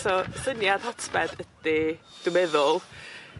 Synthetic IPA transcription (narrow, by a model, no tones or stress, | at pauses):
sɔsənjad̥hɔtʰbɛdəd̥id̥ʊmɛðʊlˠ